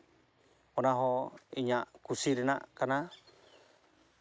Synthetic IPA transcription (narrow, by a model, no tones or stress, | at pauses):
onaɦoiɲaʔkusiɾɛna̰ʔkana